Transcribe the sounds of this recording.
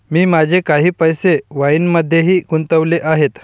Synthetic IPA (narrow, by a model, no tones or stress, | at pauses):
miːmad͡ʑʱekaɦiːpəjseʋainməd̪ʱːjeɦiːkunt̪əʋleʔaɦet̪